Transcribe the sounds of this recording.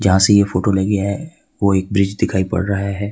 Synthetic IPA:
d͡ʒɐɦãsejefoːʈoleɡɪjaɦɛ | ʋoeːk̚bɾɪd͡ʒd̪ɪkʰaːipɐ̰ɽɾɐɦaɦɛː

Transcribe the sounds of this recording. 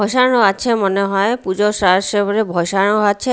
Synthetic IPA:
ɔʃanoat͡ɕʰemoneɦɔepud͡ʑoʃaʃeboɾebʱɔjʃaɳ̃oat͡ɕʰe

